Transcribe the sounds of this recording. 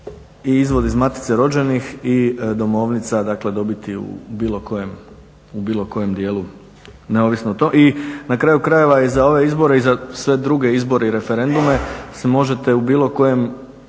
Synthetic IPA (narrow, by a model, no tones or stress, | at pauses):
iizʋo̞d̪izmat̪i̥t̪seɾo̞d͡ʑe̞nixid̪o̞mo̞ʋnit̪sad̪akle̞d̪o̞bit̪iṵbiːlˠo̞ko̞jem | ubiːlˠo̞ko̞je̞md̪je̞ːlu | neo̞ʋisnout̪ominakɾaːjukɾaje̞ʋaizao̞ʋe̞izbo̞ɾeizasʋe̞d̪ɾuɡe̞izbo̞ɾe̞iɾe̞feɾe̞nd̪ume̞semo̞ʒet̪e̞ubiːlˠo̞ko̞je̞m